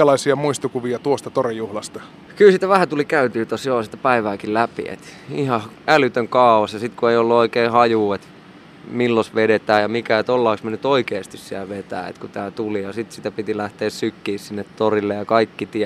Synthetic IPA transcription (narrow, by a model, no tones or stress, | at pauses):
ælɑisiɑmuist̪ukuʋiɑt̪uost̪ɑt̪orijuhlɑst̪ɑ̥ | kylsit̪æʋæhæt̪ulikæyt̪yːt̪osjoːsit̪ːæ̥pæiʋæːkillæpḭḛt̪ihɑ | ælyt̪øŋkɑːuwɑsjɑsit̪kueiolːuoikeːhɑjuːet̪ | milːosʋedet̪æːjɑmikæet̪olːɑːksmenyt̪oikeːst̪issiælʋet̪æ̰ːḛt̪kut̪æːt̪ulijɑsit̪sit̪æpit̪ilæht̪eːssykːiːssinːet̪t̪orilːejɑkɑikːit̪iæ